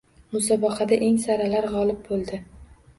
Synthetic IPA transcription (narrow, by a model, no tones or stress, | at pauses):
mʊsɒbɑqʰɑd̪aʔe̞ŋsaɾalaɾʁɒlɪb̚bolˠd̪ɪ